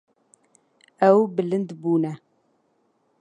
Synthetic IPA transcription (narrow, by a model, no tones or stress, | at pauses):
ɐwbɨlɨnd̪buːnɐ